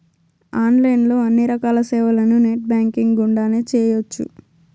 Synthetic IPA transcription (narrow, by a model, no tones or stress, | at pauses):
aːnlɐjnlo̞ːɐnːiɾɐkaːlɐsɛːʋɐlɐnuneːʈ̚baːŋkiŋɡuɳɖaːneːt͡ʃɛːjot͡ʃːṵ